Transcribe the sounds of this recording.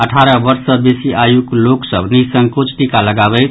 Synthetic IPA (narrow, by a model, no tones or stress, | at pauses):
əʈʰaɾəbəɾsəbesiʔajukloksəbʱnisəŋɡkut͡ʃʰʈikaləɡabɛɪt̪